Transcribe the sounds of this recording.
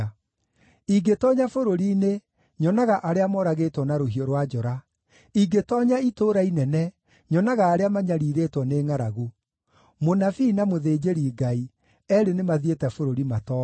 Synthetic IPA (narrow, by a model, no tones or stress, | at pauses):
iɡetɔɲafoɾoɾine | ɲɔnaɣaʔaɾeamɔɾaɣetwɔnaɾoɦiɔɾwad͡ʒɔɾa | iɡetɔːɲaitoɾainɛnɛ | ɲɔnaɣaːɾeamaɲaɾiːɾetwɔneːŋaɾaɣu | monafinamoðeːd͡ʑeɾiːɡai | ɛɾenemaðietɛfoɾoɾimatɔː